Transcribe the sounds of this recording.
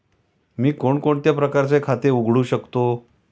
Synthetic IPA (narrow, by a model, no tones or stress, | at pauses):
miːkoɳkoɳt̪japɾəkaɾt͡sekʰat̪euɡʱɽuːɕəkt̪o